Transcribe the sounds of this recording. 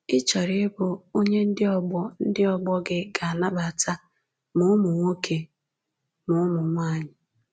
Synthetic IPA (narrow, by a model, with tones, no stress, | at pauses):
ɪ˦t͡ʃɔ˨ɾɪ˦bʊ˨o˦ɲe˦n̩˦dɪ˦ɔ˦ɡ͡bɔ˦n̩˦dɪ˦ɔ˦ɡ͡bɔ˦ɡɪ˦ɡa˨a˨na˦ba˨tʰa˦ | mʊ˦ʊ˦mʊ˨ŋʷo˦kʰe˨ | mʊ˨˦mʊ˨ŋʷa˦˨ɲɪ˨